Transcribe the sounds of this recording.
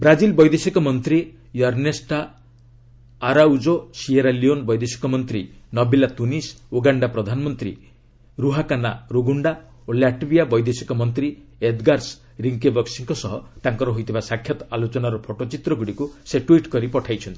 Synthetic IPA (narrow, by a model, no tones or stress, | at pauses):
bɾad͡ʒilbɔjd̪esikɔmɔnt̪ɾi | jɔɾnesʈa | ɾaud͡ʒosieɾalionbɔjd̪esi̥kɔmɔnt̪ɾinɔbilat̪unisoɡaɳɖapɾɔd̪ʱanɔmɔnt̪ɾḭ | ɾuɦakanaɾoɡuɳɖa | oljaʈbiabɔjd̪esikɔmɔnt̪ɾi | ed̪ɡaɾs | ɾiŋkebɔksiŋkɔsɔɦɔt̪aŋkɔɾɔɦojt̪ʰibasakʰːjɔt̪alot͡ʃɔnaɾɔpʰoʈot͡ʃit̪ɾɔɡuɽikuseʈwiʈkɔɾipɔʈʰajt͡ʃʰɔnt̪ʰi̥